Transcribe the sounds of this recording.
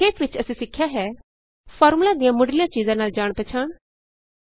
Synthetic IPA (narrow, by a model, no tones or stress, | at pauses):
eːkʰʋɪt͡ʃəsĩsɪkʰːjaɦɛː | pʰɔːɾmulad̪ijãmʊɖlɪijãt͡ʃiːzãnaːld͡ʒaːɽ̃p̪ɛt͡ʃʰaːɽ̃